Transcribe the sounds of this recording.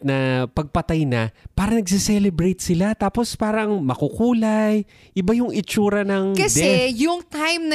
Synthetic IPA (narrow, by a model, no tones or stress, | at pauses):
nɐpɐɡ̚pɐt̪ajnɐpaːɾɐŋnɐɡsɛsɛlɛbɾɛjt̪̚sɪlat̪aːpo̞spaːɾɐŋmɐkukuːlaj | ʔɪbajʊŋɪt͡ʃuːɾɐnɐŋkɐsɛɛjʊŋt̪ajmnɐ